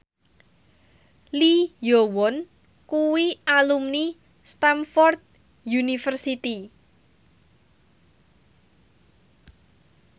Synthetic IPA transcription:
lijowɔn | kuwiʔalumni | st̪amfɔrd̪̚ | junifərsit̪i

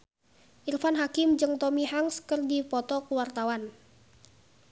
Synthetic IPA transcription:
ʔirfanɦakɪmd͡ʒɨŋt̪ɔmiɦaŋskərdipɔt̪ɔkuwart̪awan

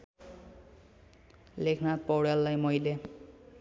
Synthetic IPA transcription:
lekʰnat̪̚pɔwɹjalːajmojlɛ

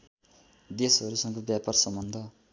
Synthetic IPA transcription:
d̪esɦʌɾusʌŋkobjaparsʌmbʌnd̪ʱʌ

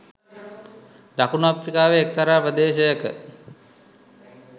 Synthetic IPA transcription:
d̪akunoaprikaːʋeːk̚ːaɾaːpɾəd̪eːɕəjəkə̰

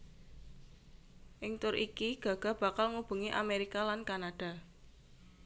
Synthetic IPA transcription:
ʔɪŋt̪ʊɾʔikiɡ̥ä̤ɡ̥ä̤b̥ä̤kalŋub̥ṳŋiʔa̰meɾikalankanaɖ̥a̤

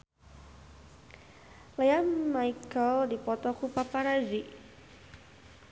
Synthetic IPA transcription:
lejanmaikəldipɔt̪ɔkupapaɾazi

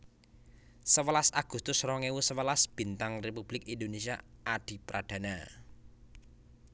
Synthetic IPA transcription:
səwəlasaɡ̥ust̪ʊsrɔŋewusəwəlasb̥i̤nt̪aŋrepub̥lɪkind̪onesiaaɖ̪̥i̤pɾad̪̥a̤na

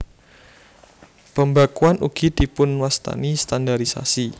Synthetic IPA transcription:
pəmbakuanṵɡ̥id̪̥i̤pʊnwast̪a̰nist̪andaɾisa̰si

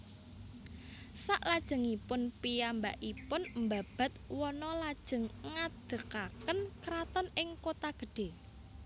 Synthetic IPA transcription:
saʔlad̥ʒ̥ə̤ŋipʊnpijambaʔipʊnmbab̥a̤t̪̚wɔnɔlad̥ʒ̥ə̤ŋŋad̪̥ə̤kakənkɾat̪ɔnɪŋkot̪aɡ̥ə̤ɖ̥e̤

